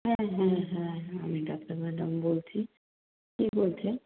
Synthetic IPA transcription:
ɦɛ̃ɦɛ̃ɦɛ̃a̰miɖapaɾmɛɖambolt͡ɕʰi | kibolt͡ɕʰe

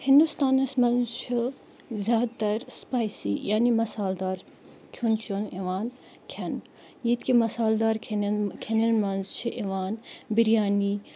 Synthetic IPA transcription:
hind̪ust̪aːnɐsmɐ̃nzt͡ʃʰu | zʲjaːd̪̚t̪ɐɾspaːjsḭjaːnimɐsaːld̪aːɾ | kʰunkʰoneʋaːn | kʲʰɐn | jit̪kʰimɐsaːld̪aːɾkʰenkʲʰenɐnmɐnzt͡ʃʰiʔeʋaːnbiɾijaːniː

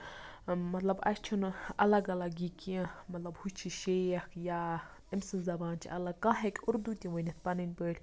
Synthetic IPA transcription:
mɐt̪lɐbɐ̰st͡ʃʰunɐlɐɡɐlɐɡikiɐ̃mɐt̪lɐbhut͡ʃʰiʃejɐkʰjaː | emsɨnzɐbaːnt͡ʃʰḭʔɐlɐɡ̚kãɦekʲʊɾd̪ut̪ʲiʋənʲit̪̚ʰpɐnɨnʲpəːlʲ

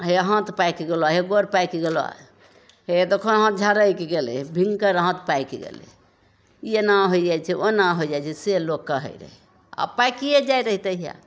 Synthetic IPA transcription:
ɦeəɦãt̪pajkeɡeloaɦeɡoɾpajkeɡeloa̰ | ɦed̪ekʰonəɦãt̪̚d͡ʒʱaɾəjkeɡelḛbʱĩŋɡkəɾəɦãt̪pajkḛɡḛlḛ | jenaɦoid͡ʒajt͡ʃʰɛʔonaɦoid͡ʒajt͡ʃʰɛselokːəɦə̰iɾə̰ɦi | a̰pajkied͡ʒajɾəɦit̪əɦija̰

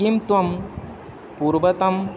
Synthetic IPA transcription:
imt̪ʋɐm | puːɾʋɐt̪ɐm

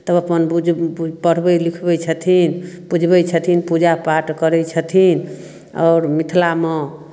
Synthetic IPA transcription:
t̪əbəpənbud͡ʒpəɽ̤bɛlikʰbɛt͡ʃʰət̪ʰinbud͡ʒʱbɛt͡ʃʰət̪ʰinpud͡ʒapaʈkəɾɛt͡ʃʰət̪ʰin | ɔ̰ːɾmit̪ʰlame

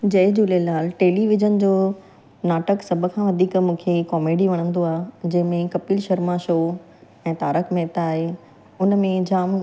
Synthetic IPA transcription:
d͡ʑɐɦɪd͡ʑuːlelaːlʈeːliʋɪd͡ʑənd͡ʑoː | naːʈəksɐbʱʊ̆kʰãːʋɐd̪ʱiːkmũːkʰekɔːmeːɖiʋɐɽ̃ə̃n̆d̪oaːɦd͡ʑɐ̃ɦɪ̃mẽkɐpiːlʃɐɾmaʃoː | ɛ̃ːt̪aːɾəkʰmɛːt̪aaːɦe | ʊnmẽd͡ʑaːm

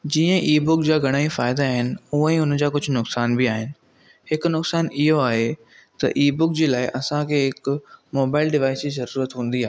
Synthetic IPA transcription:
d͡ʑiːə̃ʔiːbʊkd͡ʑaːɡʱɐɽ̃aːifaːɪd̪aaːɦɪnɪ̆uə̃ʊnd͡ʑaːkʊd͡ʑʱʊnʊksaːnbɪaːɦɪnɪ̆ | hɪknʊksaːnɪɦoaːɦe | t̪ɐ̰ʔiːbʊk̚d͡ʑeːlaːɪʔɐsãkʰeːɦɪkmoːbaːɪlɖɪʋaːɪsd͡ʑiːzɐɾuːɾət̪ɦũːn̆d̪iaːɦe

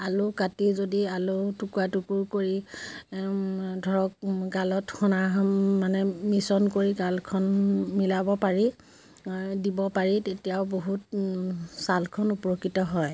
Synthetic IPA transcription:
alukatizodialʊtukwatukuɹkoɹi | dʱɔɹɔk̚ɡalɔtxɔnamanɛmisɔnkoɹiɡalkʰɔnmilabɔpaɹi | dibɔpaɹitetijaʊboɦut̚ | salkʰɔnupɔɹokːitɔɦɔj

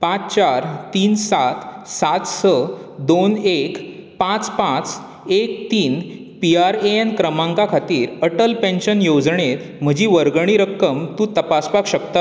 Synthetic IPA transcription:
pãt͡st͡ɕaɾt̪iːnsat̪sat̪səd̪onekpãt͡spãt͡s | ek̚t̪iːn | piaɾeenkɾəmãŋkakʰat̪iːɾəʈəlpẽnɕənjod͡zɳet̪m̤əd͡ʑiːʋəɾɡəɳ̃iɾəkːəmt̪ũt̪əpaspakɕək̚t̪a

